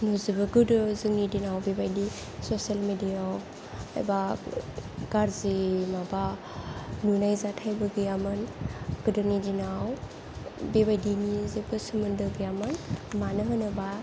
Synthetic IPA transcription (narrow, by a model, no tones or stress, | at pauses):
nuzibɯɡɯdɯzɯŋnidinawbebajdi | sosalmediaw | a̰jba | ɡaɾzimaba | nunajzatʰajbɯɡɯjamɯnɡ̥ɯdɯnidinaw | bebajdinizebɯsɯmɯndɯɡɯjamɯnmanɯɦɯnɯba